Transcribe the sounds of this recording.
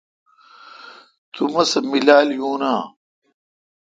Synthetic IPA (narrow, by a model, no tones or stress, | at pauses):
t̪umɐsɐmilaːljũːnaː